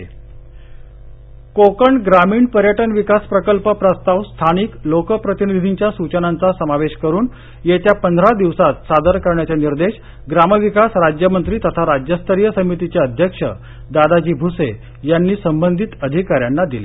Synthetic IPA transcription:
kokəɳɡɾamiːɳpəɾjəʈənʋikaspɾəkəlpəpɾəst̪aʋst̪ʰaniklokəpɾət̪inid̪ʱiɲt͡ɕjasut͡ɕənant͡sasəmaʋeɕkəɾuːn | jet̪japənd̪ʱɾad̪iʋsat̪sad̪əɾkəɾɳjat͡ɕjaniɾd̪eɕ | ɡɾaməʋikasɾad͡ʑjəmənt̪ɾiːt̪ət̪ʰaɾad͡ʑjəst̪ʰəɾijəsəmit̪it͡ɕjaəd̪ʱjəkʂə̰ | d̪ad̪ad͡ʑiːbʱuse | janːiːsəmbənd̪ʱit̪əd̪ʱikaɾjanːad̪ile

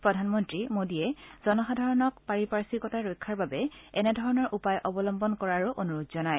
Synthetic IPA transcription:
pɹɔdʱanmɔntɹimodiɛz̥ɔnɔxadʱaɹɔnɔkpaɹipaɹsikɔtaɹojkʰːaɹbabɛɛnɛdʱɔɹɔnɔɹʔupajʔɔbɔlɔmbɔnkɔɹaɹuʔonuɹodzɔnaj

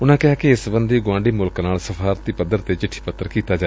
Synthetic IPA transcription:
ʊnãːkɪaːkiɪsbənd̪iːɡʊãːɳɖiːmʊlknaːlsəfʰaːɾt̪iːpəd̪əɾt̪eːt͡ʃɪʈʰːi̥ːpət̪ːəɾkiːt̪aːd͡ʒaː

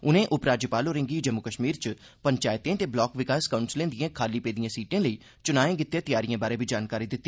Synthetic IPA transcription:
ʊnẽːʔʊpɾaːd͡ʒjəpaːloːɾɪ̃ŋɡiːd͡ʒəmːʊkəʃmiːɾt͡ʃ | pəɲt͡ʃaːɪt̪ẽːt̪eːblɔːkʋɪkaːskaʊ̃ɳʈslẽːnd̪ɪjãːkʰaːliːpeːd̪ijãːsiːʈẽːləiː | t͡ʃʊnaːẽːɡɪt̪ːjẽːt̪ɪjaːɾɪjãːbaːɾeːbʱiːd͡ʒaːnkaːɾiːd̪ɪt̪ːiː

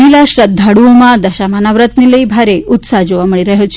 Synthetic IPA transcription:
ilaɕɾəd̪ʱːaɽumad̪ɐɕamanaʋɾət̪niləibʱaɾeut̪sad͡ʑoʋaməɭiɾəɦjot͡ɕ

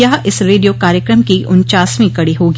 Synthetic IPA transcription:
ɐɦʔɪsɾeːɖijokaːɾjəkɾəmkiʔʊnt͡ʃaːsmĩkɐɽiɦoːɡ

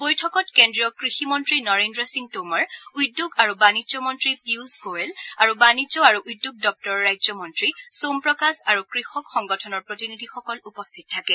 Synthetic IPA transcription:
bojtʰɔkɔtkendɹijɔkɹiximɔntɹinɔɹendɹɔsiŋɡtomaɹujdoɡaɹubanizɔmɔntɹipiusɡoelaɹubanid͡ʒɔaɹuʔujdːoɡ̚dɔk̚tɔɹːajzɔmɔntɹisompɹɔkasaɹukɹixɔkxɔŋɡɔtʰɔnɔɹpɹotinidʱixɔkɔlupɔstʰit̚ʰːakɛ

